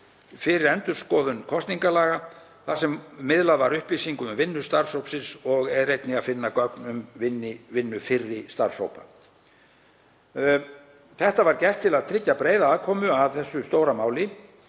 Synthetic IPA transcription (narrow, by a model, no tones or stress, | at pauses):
fɪɾɪɾɛnt̪ʏɾ̥skɔːðʏnkʰɔst̪niŋkalaːɣa | θasɛmːɪðlaðvaɾʏhplisiŋkʏʏmvɪnːʏst̪aɾsowpsɪnsɔɣɛðrejt̪nɪɣaðfɪnːakœknʏmvɪnːɪvɪnːʏfɪrːɪst̪aɾso̰wpa̰ | θɛht̪avaɾcɛr̥t̪ʰːɪlaðt̪ʰɾɪcːapɾeːjðaaːðkʰɔːmʏaðθɛsːʏst̪oːwɾamaːwlɪ